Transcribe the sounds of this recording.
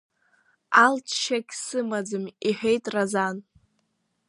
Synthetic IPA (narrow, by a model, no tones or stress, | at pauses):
altʰʃakʲsɨmad͡zɨmiħᶣejtʼrazan